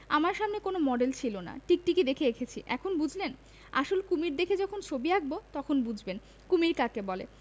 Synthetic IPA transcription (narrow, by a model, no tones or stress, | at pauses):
amaɾʃamnekonomɔɖelt͡ɕʰilona̰ʈik̚ʈiked̪ekʰeekʰet͡ɕʰiʔɛkʰonbud͡ʑʱlen | a̰ʃolkumiɾd̪ekʰed͡ʑɔkʰont͡ɕʰobiaɡ̚bot̪ɔkʰonbud͡ʑʱben | kumiɾkakebɔlḛ